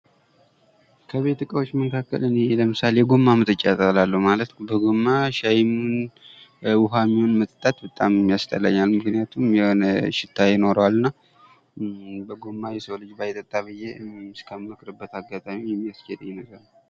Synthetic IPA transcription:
kʰəβe̞t̪ɨkʼəwo̞t͡ʃːməkʰakːə̰lɨneləmɨsalejɛɡomːamɨt̪ʼɨt͡ʃʼːat̪ʼəlalːəhmalət̪bəɡomːaʃajmun | wʊɦamːihonmət̪ʼt̪ʼːat̪bət̪ʼammːijast̪ʰʼəlːə̰ɲːalmɨknijat̪ʰumjɛhonəʃɪt̪ʰːajɪno̞ɾəwalɨnːa | bəɡomːajɛsəwlɨd͡ʒbajɛt̪ʼːət̪ʼːaβɨjeskʰəmɨkɾɨbːət̪aɡat̪ʼamijɛmːijasd͡ʒed̪jɪnəɡalː

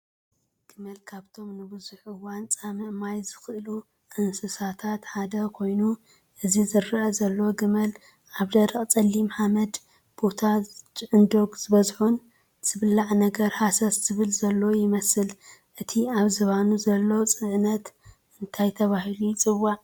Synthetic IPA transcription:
ɡ̥ɨmɐlkʰaβt̪ʰo̞mnɨbɨzuħɨwant͡sʼamɨʔmajzɨxɨʔlu | ʔɨnsɨsat̪ʰat̪ħad̪ɐkʰo̞jnu | ʔɨzizɨɾːɐʔɐzɐlːo̞ɡɨmɐl | ʔaβd̪ɐɾɐχʼt͡sʼɐlːimhamɐd̪ | b̥o̞t̪ʰat͡ʃʼɨʕɨnd̪o̞ɡz̥ɨβɐzħun | z̥ɨβlaʕnɐɡɐɾhasɐsz̥ɨβɨlzɐlːojɪmɐsɨlʔɨt̪ʰiaβzɐβanuzɐlːo̞t͡sʼɨʕnɐt̪ | ɨnt̪ʰajt̪ʰɐβaɦilujt͡sʼɨβːaʕ

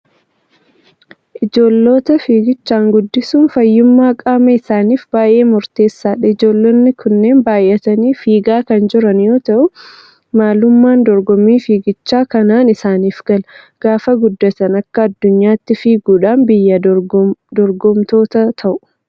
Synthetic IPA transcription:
ʔɪd͡ʒo̞ːlːo̞ːt̪ɐfiːɡɪt͡ʃːaːŋɡʊd̪ːɪsuːnfɐjːʊmːaːkʼaːmɐɪsaːniːfbaːjʔe̞ːmʊɾt̪e̞ːsːaːᶑɐɪd͡ʒo̞ːlːoːnːɪkʰʊnːe̞ːnbaːjʔɛt̪ɐniːfiːɡaːkɐnd͡ʒɪɾɐnjo̞ːt̪ɐʔʊ | maːlʊmːaːnd̪ɔɾɡɔmiːfiːɡɪt͡ʃːaːkɐnaːnɪsaːniːfɡ̥ɐlɐ | ɡ̥aːfɐɡʊd̪ːɐt̪ɐnɐkːɐːd̪ːʊɲːaːt̪ːɪfiːɡuːᶑaːnbɪjːɐ | d̪ɔɾɡɔmt̪o̞ːt̪ɐt̪ʰɐʔʊ̥

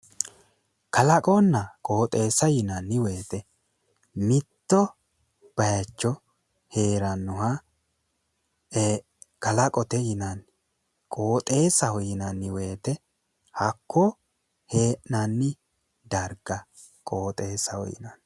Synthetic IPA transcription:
kɐlɐkʼɔnːɐkʼo̞ːt̪ʼe̞ːsɐjɪnɐnːɪwe̞ːt̪ɛ | mɪt̪ːɔ | b̥ɐjɐt͡ʃːɔ | he̞ːɾɐnːʊɦɐ | kɐlɐkʼɔt̪ɛjɪnɐn | kʼo̞ːt̪ʼe̞ːsɐhɔjɪnɐnːɪwe̞ːt̪ɛ | hɐkːɔ | heːʔnɐnːɪ | d̪ɐɾɡɐ | kʼo̞ːt̪ʼe̞ːsɐhɔ̰jɪ̰nɐn

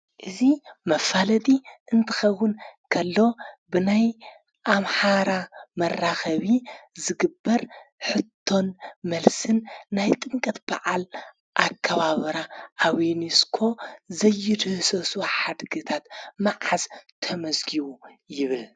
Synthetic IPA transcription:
ʔɨzimɐfalɐt̪ʼiʔɨnt̪ʰɐxɐwːʊnkʰɐlːo̞bɨnaj | ʔamħaɾamɐrːaxɐβizɨɡɨbːɐɾħɨt̪ʰːo̞nmɐlsɨnːajt̪ʼɨŋkʼɐt̪b̥a̰ʕal | ʔakʰːɐβaβɐɾaʔaβiniskʰo̞zɐjːɪd̪ɨhɨsɐsuħad̪ɡɨt̪ʰat̪maʕazt̪ʰɐmɐzɡiwujɪβɨl

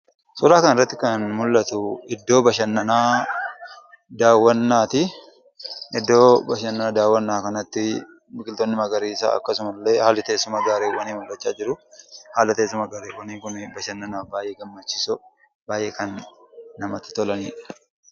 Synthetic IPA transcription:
sʊɾaːkɐnɪrːɐt̪ːɪkɐnmʊlːɐt̪ʊɪd̪ːo̞ːbɐʃɐnːɐnaː | d̪aːwːɐnːaːt̪ɪ | ʔɪd̪ːo̞ːbɐʃɐnːɐnɐd̪aːwːɐnːaːkɐnɐt̪ːɪ | mɪɡɪlt̪ɔnːɪmɐɡɐɾiːsa̰ːɐ̰kːɐsʊmɐlːeːhaːlɐt̪eːsʊmɐɡaːɾeːwɐniːmʊlːɐt͡ʃːaːd͡ʒɪɾʊhaːlɐt̪eːs̬ːʊmɐɡaːɾeːwɐniːŋkʊnbɐʃɐnːɐnaːbaːjʔeɡɐmːɐt͡ʃːɪ̥sʊ | baːjʔeːkɐnːɐmɐt̪ːɪ̥t̪ɔlɐnḭːᶑɐ̥

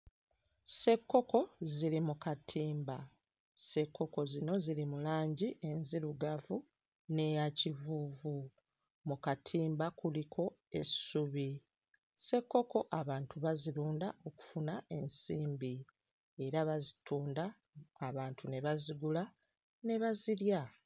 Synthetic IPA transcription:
se̞kːo̞ko̞zilimukatʰiːmba | se̞kːo̞ko̞zino̞zilimulaːɲɟiʔe̞nziɾuɡavu | ne̞jacivuːvu | mukatʰiːmbakulikʰo̞e̞suβi | se̞kːo̞ko̞ʔaβaːntʰuβaziluːndao̞ku̥funae̞nsiːmbi | e̞ɾaβazituːndaː | βaːntʰune̞βaziɡula | ne̞βaziɾja

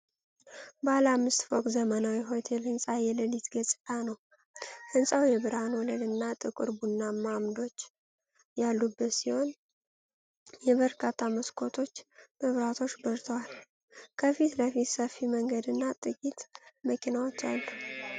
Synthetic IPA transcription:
balamːɨst̪fokʼzəmənawiɦo̞t̪ʰe̞lhɨnsʼajɛləlit̪ɡəsʼanəw | hɨnsʼawjɛβɨɾanwɔləlɨnːat̪ʼɨkʼɨ̰ɾbunːamamd̪o̞t͡ʃː | jalːubːət̪siho̞n | jɛβəɾkʰat̪ʰːaməskʰo̞t̪ʰo̞t͡ʃːməβɾat̪ʰo̞t͡ʃːbəɾt̪ʰəwal | kʰəfit̪ləfit̪səfːiməŋɡəd̪ɨnːat̪ʼɨkʼit̪məkʰinawo̞t͡ʃːa̰lːu

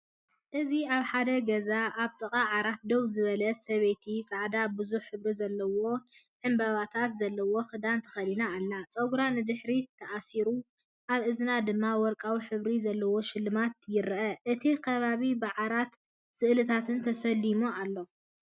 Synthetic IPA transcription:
ʔɨziaβħad̪ɐɡɐzaʔaβt̪ʼɐkʼaʕaɾat̪̚d̪owzɨβɐlɐsɐβe̞t̪ʰit͡sʼaʕd̪abɨzuħħɨβɾizɐlːɐwo̞ | ʕɨmbaβat̪ʰat̪zɐlːɐwo̞xɨd̪ant̪ʰɐ̥xɐlinaːlːat͡sʼɐɡuɾanɨd̪ɨħɾit̪ʰːɐʔasiɾu | ʔaβʔɨznad̪ɨmːawɔɾkʼawiħɨβɾizɐlːɐwo̞ʃɪlːɨmat̪jɪɾʔɐʔɨt̪ʰikʰɐβaβibɨʕaɾat̪ | sɨʔlɨt̪ʰat̪ʰɨnt̪ʰɐsɐlːimualːo̞

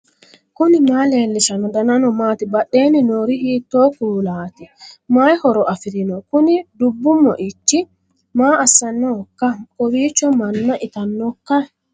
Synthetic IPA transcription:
kʊnɪmaːle̞ːlːɪʃɐnɔd̪ɐnɐnɔmaːt̪ɪbɐɗːe̞ːnɪnoːɾɪhiːt̪ːoːkuːlaːt̪ɪmaːjhɔɾɔʔɐfɪɾɪnɔkʊnɪd̪ʊbːʊmːɔ̰ʔɪt͡ʃːɪ | maːɐsːɐnːɔkːɐkɔwiːt͡ʃːɔmɐnːɐʔɪt̪ɐnːɔkːɐ

